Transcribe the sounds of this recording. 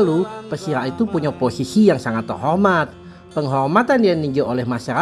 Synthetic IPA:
lupəsiɾait̪upuɲaposisijaŋsaŋat̪ːə̰rɦɔrmat̪̚ | pəŋɦɔrmat̪andianiɲd͡ʒuʔolɛhmasaɾa

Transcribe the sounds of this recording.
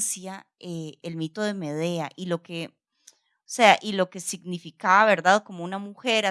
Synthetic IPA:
sja | eelmit̪o̞ð̞e̞me̞ð̞e̞aʔilo̞ke | ose̞aʔilo̞ke̞siɡnifikaβaβe̞ɾðaðko̞mo̞unamuxe̞ɾa

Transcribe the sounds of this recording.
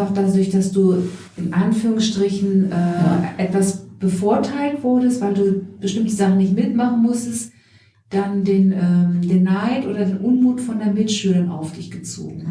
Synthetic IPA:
aχd̥aːdʊɐçd̥asd̥uːʔɪnʔanfyːʁ̞ʊŋsʃtʁ̥ɪçn̩ʔɛːʔɛtv̥asb̥əfʊɐtʰaɪltv̥ʊɐdəstv̥aɪlduːb̥əʃtɪmtəzaχn̩nɪçtmɪtmaχn̩mʊstəst | d̥andeːnʔɛːmdeːnːaɪtʔoːdɐdeːnʔʊnmuːtfɔndeːɐmɪtʃyːlʊŋa̰ʊfd̥ɪçɡ̥ət͡so̰ːɡŋ̩

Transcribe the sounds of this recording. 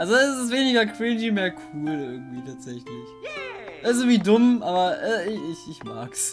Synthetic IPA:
ʔalzoɛsɪs̬veːnɪɡɐkʰʁ̥ind͡ʒimeːɐkʰuːlɪɐɡŋ̩tv̥iːtʰaːtz̥ɛçlɪçʔɛɪs̬ɪɡŋ̩viːdʊmʔaːbɐʔɛːɪɪçɪçma̰ːks

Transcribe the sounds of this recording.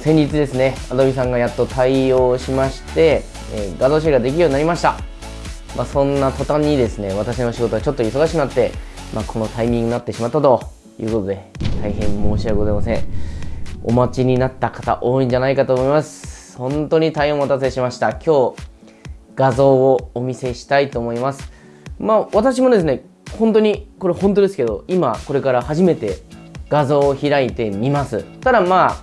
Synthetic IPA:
sẽ̞ɲ̟d͡ʑit͡sɨd̪e̞sɨne̞ad̪o̞bʲis̬ãŋɡajat̪ːo̞t̪ʰaio̞ːɕimaɕi̥t̪e̞ | ɡazoːɕ̬iɾɡad̪e̞kʲiɾioɲinaɾimaɕi̥t̪a | masõ̞nːat̪o̞t̪ãɲ̟ːid̪e̞sɨne̞βat̪aɕ̬ino̞ɕiɡo̞t̪o̞at͡ɕo̞t̪ːo̞iso̞ɡaɕikɯnat̪ːe̞ | mʔakʰo̞no̞t̪aimʲĩŋɡɯ̟nat̪ːe̞ɕimat̪ːat̪o̞ | jɯ̟ːko̞t̪o̞d̪e̞t̪ʰaiɦẽ̞mmo̞ːɕiaɡo̞zaimasẽ̞ɴ | o̞̰mat͡ɕiɲ̟inat̪ːakḁt̪a̰ʔo̞ːĩɲ̟d͡ʑanaikat̪oːmoimasɨ̥ | hõ̞nt̪o̞ːɲ̟it̪aihẽɰ̃at̪at͡sɨeɕimaɕi̥t̪akʲʰo̞ː | ɡ̥azo̞ːoːmʲise̞ɕi̥t̪ait̪o̞ːmo̞imasɨ̥ | maːβat̪aɕ̬imo̞d̪e̞sɨne̞ | hõ̞nt̪o̞ɲ̟iko̞ɾe̞hõnt̪̬o̞d̪e̞sɨ̥ke̞d̪o̞imako̞ɾe̞kaɾahaʑime̞t̪e̞ɡ̥azo̞ːçiɾait̪e̞mʲimasɨt̪ad̪amaː

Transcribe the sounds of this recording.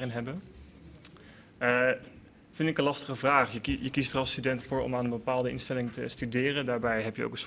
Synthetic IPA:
ɪnɦɛbə | v̥ɪntɪkə̃nlɑstəχəvraːχjəjəkistərɑlˠstydɛntfʊːɹɔ̰maːnənbəpaːlˠdəɪ̰nstɛlɪŋtə̰stydɪːrəndaːɹbɛjɦɛpjəo̰wkəns

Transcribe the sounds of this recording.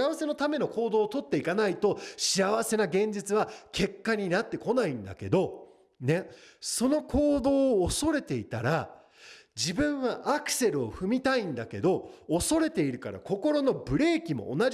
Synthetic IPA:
aβase̞no̞t̪ame̞no̞ko̞ːd̪o̞ːt̪o̞t̪ːe̞ikanait̪o̞ɕiaβase̞naɡẽ̞ɲ̟d͡ʑit͡sɨβakʰe̞kːaɲ̟inat̪ːe̞ko̞naĩnd̪a̰ke̞d̪o̞ | ne̞so̞no̞kʰo̞ːd̪o̞ːso̞ɾe̞t̪e̞it̪aɾa | d͡ʑibɯ̟̃ɰ̃βaʔakɯ̟̥se̞ɾɯ̟o̞ɸɯ̟mʲit̪aĩnd̪ake̞d̪o̞ːso̞ɾe̞t̪e̞iɾɯ̟kaɾa̰ko̞ko̞ɾo̞no̞bɯ̟ɾe̞ːkʲimo̞̰ːna

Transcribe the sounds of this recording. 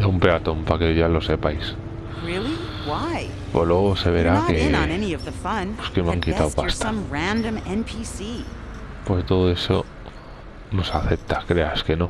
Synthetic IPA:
eumpe̞at̪õ̞mpakeʝalo̞se̞pajs | ɹɪlˠi | waɪ | polweɣose̞βe̞ɾakẽnɛniʌvðɨfʌ̃npwoskemãŋkit̪awpasaʌ̃mɹæ̃ndɨ̃mɛ̃npʰisi | pwokt̪oðoe̞so | no̞saθe̞p̚t̪ḁkɾe̞aske̞nõ̞

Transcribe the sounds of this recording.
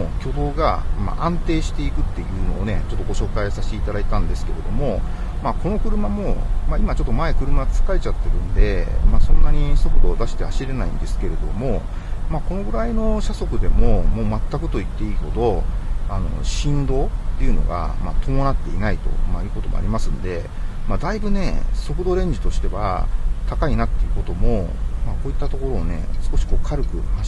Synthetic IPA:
okʲo̞d̪o̞ːɡama̰ʔãnt̪e̞ːɕi̥t̪e̞ikɯ̟t̪ːejɯ̟ːno̞ːne̞t͡ɕo̞t̪ːo̞ɡo̞ɕo̞ːkaisaɕi̥t̪e̞it̪ad̪ait̪ãnd̪e̞sɨ̥ke̞ɾe̞d̪o̞mo̞ | mako̞no̞kɯ̟ɾɯ̟mamo̞maimat͡ɕo̞t̪ːo̞mae̞kɯ̟ɾɯ̟maɡat͡sɨ̥kaet͡ɕat̪ːe̞ɾɯ̟̃nd̪e̞masõ̞nːaɲ̟iso̞kɯ̟d̪o̞ːd̪aɕi̥t̪ehaɕiɾe̞naḭ̃nd̪e̞sɨ̥ke̞ɾe̞d̪o̞̰mo̞ | mako̞no̞ɡɯ̟ɾaino̞ɕaso̞kɯ̟d̪e̞mo̞mo̞ːmat̪ːakɯ̟t̪o̞it̪ːe̞iːho̞d̪o̞ano̞̰ɕĩnd̪o̞ːt̪ːe̞iɯ̟no̞̰ɡa̰ma̰t̪o̞mo̞nat̪ːe̞inait̪o̞̰maiɯko̞t̪o̞mo̞̰a̰ɾʲimasɨ̃nd̪e̞ | mad̪aibɯ̟ne̞so̞kɯ̟d̪o̞ɾẽ̞ɲ̟d͡ʑi̥t̪o̞ɕi̥t̪e̞βa̰t̪akainat̪ːe̞iɯ̟ko̞t̪o̞mo̞mako̞ːit̪ːat̪o̞ko̞ɾo̞ːne̞̰sɨ̥ko̞ɕi̥ko̞ːkʰaɾɯ̟kɯ̟̰ha

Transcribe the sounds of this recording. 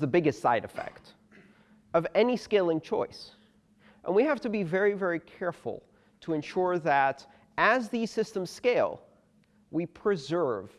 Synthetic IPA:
ðəbɪɡɨstsa̰ɪɾɨ̰fɛ̰kt | ʌvɛniskeɪlˠɪ̃ŋt͡ʃʰɔ̰ɪs | ʔə̰̃nwihæftɨbivɛɹivɛɹikʰɛɹfl̩ˠ | tʰəɨ̃nʃʊɹðɨt | ɨzði̥sɪstə̃m̩z̥skeɪlˠ | wipʰɹ̥ɨzɜ˞v̥

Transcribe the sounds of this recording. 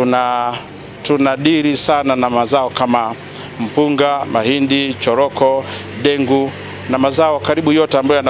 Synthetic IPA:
una | tunaɗiɾisananamazaɔkama | m̩puŋɡamahindit͡ʃɔɾɔkɔɗɛŋɡu | namazaɔkaɾiɓujɔtɛambajɔjana

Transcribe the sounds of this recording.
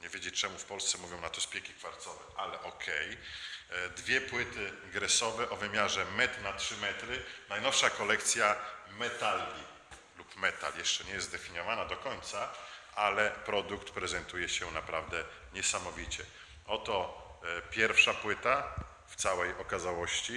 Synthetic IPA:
ɲɛvʲjed͡ʑet͡ʂɛmufpɔlst̪ɛmuvʲjɔ̃w̃nat̪ɔspʲjɛkʲikfaɾt̪sɔvɛʔalɛʔɔkʰɛj | d̪vʲjɛpwɘt̪ɘɡɾɛsɔvɛʔɔvɘmʲjaʐɛmɛt̪natʂɘmɛt̪ɾɘnajnɔfʂakɔlɛk̚t̪sʲjamɛt̪alɡʲi | lupmɛt̪a̰ljɛʂt͡ʂɛɲɛjɛzd̪ɛfʲiɲɔvanad̪ɔkɔɲt̪saalɛpɾɔd̪ukt̪pɾɛzɛnt̪ujɛɕɛnapɾavd̪ɛ | ɲɛsamɔvʲit͡ɕɛ | ɔt̪ɔpʲjɛɾfʂapwɘt̪a | ft̪sawɛjɔkazawɔɕt͡ɕi

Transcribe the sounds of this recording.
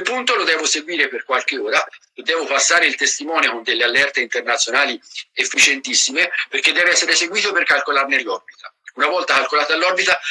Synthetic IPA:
kepːunt̪olod̪ɛːvoseɡwiːɾeperkwalk̟eoːɾalod̪ːɛːvopasːaːɾeilt̪est̪imɔːnjokond̪elːealːɛrt̪eint̪ernat̪sːjonaːliefːit͡ʃent̪isːimeperk̟ed̪ːɛːveɛsːeɾeseɡwiːt̪operkalkolarnelːɔrbit̪aunavɔlt̪akalkolaːt̪alːɔrbit̪a

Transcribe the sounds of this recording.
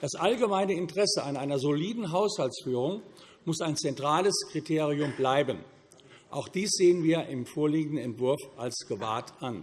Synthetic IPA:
d̥asʔalɡəmaɪnəɪntəʁɛsəʔaɪnʔaɪnɐzoliːdn̩ɦaʊshaltsfyːʁʊŋ | mʊsaɪnt͡sɛntʁ̥aːləskʁ̥itʰeːʁiʊmblaɪbən | ʔa̰ʊxd̥iːsz̥eːənviːɐʔɪmfoːɐliːɡŋ̩dn̩ɛntv̥ʊɐfʔalsɡ̥əva̰ːtʔan

